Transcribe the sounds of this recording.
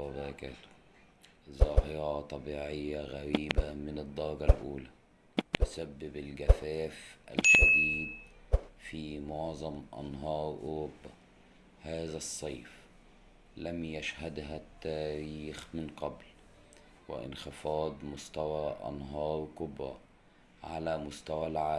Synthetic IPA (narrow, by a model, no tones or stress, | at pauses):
bækal | zˤɑːhɪɾˤɑt̪ˤɑbiːʕɪjːaɣæɾiːbamɪnɨd̪ˤːɑɾˤɡɑlʔuːlæ | t̪ʊsabːɪbɪlɡæfæːfʔa̰lkæd̪iːd̪fiːmʊʕzˤɑmʔɑ̰nɦɑːɾˤʔʊ̰ɾʊbːa | haːzæsˤːɑjf | læmjaʃhæd̪ɦæt̪ːæːɾiːxmɪnqɑbl | wɪ̰ʔɪ̰nxɪfɑːd̪ˤmʊst̪æwæʔɑ̰nɦɑːɾˤkʊbɾˤɑ̰ | ʕa̰læmʊst̪æwælʕaː